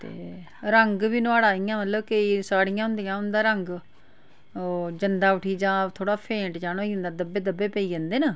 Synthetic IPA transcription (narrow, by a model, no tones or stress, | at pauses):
t̪ḛː | ɾəŋɡbiːnʊaːɽaːijãːmət̪ləbkəiːsaːɽɪjãːɦʊ̃nd̪ijãːɦʊnd̪aːɾəŋɡ | d͡ʒənd̪aːʋəʈʰiːd͡ʒãːt̪ʰoːɽaːpʰẽːʈd͡ʒaːnoːind̪aːd̪əbːeːd̪əbeːpəiːd͡ʒə̃ːnd̪eːnəː